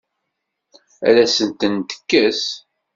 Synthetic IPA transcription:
æ̰læsənt̪ənt̪ə̥kːəs

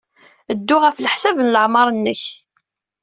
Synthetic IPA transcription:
əd̪ːʊʁæfləħsævənləʕmɑɾˤənːəç

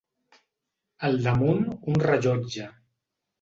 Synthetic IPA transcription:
əlˠd̪əmununrəʒɔd͡ʒə

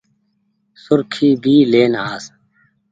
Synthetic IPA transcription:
sʊɾkʰiːbʱiːleːnaːs

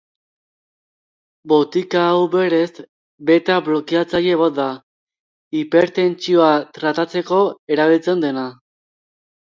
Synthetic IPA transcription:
bo̞t̪ikaːwβeɾe̞s | be̞t̪aβlo̞kiat͡saje̞βot̪̚d̪a | ipeɾt̪e̞nt͡sio̞at̪ɾat̪at͡se̞ko̞e̞ɾaβilt͡se̞nd̪e̞na

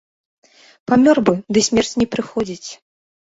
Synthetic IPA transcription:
pamʲɔrbɨd̪ɨsʲmʲɛrt͡sʲnʲɛpɾɨxɔd͡zʲit͡sʲ

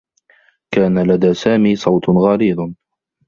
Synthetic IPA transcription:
kaːnalad̪aːsaːmiːsˤɑwt̪ɣaːɾiːd̪ˤ

